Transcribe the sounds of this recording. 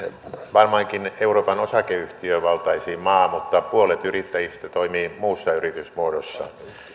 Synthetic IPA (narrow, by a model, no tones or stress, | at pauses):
ʋɑrmɑiŋkineuroːpɑnosɑkeyht̪iøʋɑlt̪ɑisiːmɑːmut̪ːɑpuolet̪yrit̪ːæjist̪ɑt̪oimiːmuːsːɑyrit̪ysmuodosːɑ̰